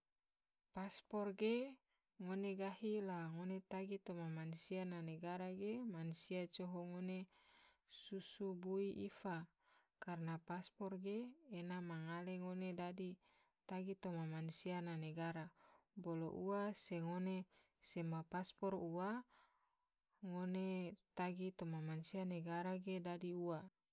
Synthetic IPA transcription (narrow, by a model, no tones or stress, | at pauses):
paspɔrɡe | ŋoneɡahilaŋonet̪aɡit̪omamansiananeɡaɾaɡemansiat͡ʃoɦoŋone | susubuiʔifa | karnapaspɔrɡeːnamaŋaleŋonedadi | t̪aɡit̪omamansiananeɡaɾabolo̰ʔuaseŋone | semapaspɔrua | ŋonet̪aɡit̪omamansianeɡaɾaɡedadiua